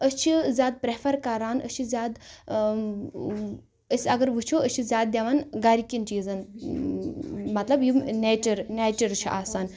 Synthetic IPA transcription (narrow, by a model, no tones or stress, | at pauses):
ət͡ʃʰizʲaːd̪̚pɾefʰɐɾkɐɾaːnət͡ʃʰizʲjaːd̪ | əsʲɐɡɐɾʋut͡ʃʰoət͡ʃʰizʲjaːd̪̚d̪ʲeʋanɡɐɾikʲint͡ʃiːzɐn | mɐt̪lɐbjineːt͡ʃɐɾneːt͡ʃɐɾt͡ʃʰiʔaːsaːn